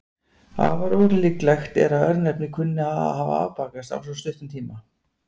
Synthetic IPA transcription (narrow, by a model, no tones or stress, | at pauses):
ha̰vaɾoːwliklɛxt̪ɛ̰ɾaðœɾðnɛpnɪkʰʏnːɪaða̰ðɦaːva̰a̰wpaːkast̪a̰wlsɔst̪ʏht̪ʏmt̪ʰiːma